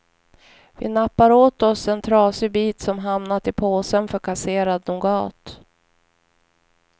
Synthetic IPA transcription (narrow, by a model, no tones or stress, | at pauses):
vɪ̰napːaɾoːt̪ɔsɛnt̪ʰɾɑːsɪbiːt̪sɔmɦamnat̪ɪpʰoːsənfœɾkʰaseːɾad̪nʊɡɑːt̪